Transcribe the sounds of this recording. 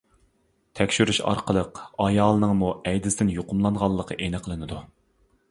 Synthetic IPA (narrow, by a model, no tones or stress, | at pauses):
t̪ʰɛkʲʃyɾyʃɑ̰ɾqəlˠəqɑjɑːlˠɨnɨŋmuɛjd̪ɪsɪd̪ɪnjoqʊmlˠɑnʁɑlˠːəqʰəʔenɨqʰəlˠɨnɨd̪u